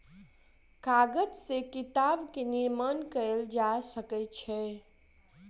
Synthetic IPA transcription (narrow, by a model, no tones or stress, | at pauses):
kaɡəd͡ʒsekit̪abkeniɾmənkəld͡ʒasəkətt͡ʃʰɛ